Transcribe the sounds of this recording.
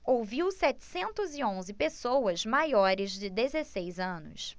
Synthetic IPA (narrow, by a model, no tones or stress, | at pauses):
owviwsɛt͡ʃɪ̥sẽnt̪ʊzɪõzɪpesowɐzmajɔɾɪzd͡ʒɪd̪ezesejzɐ̃nʊ̰s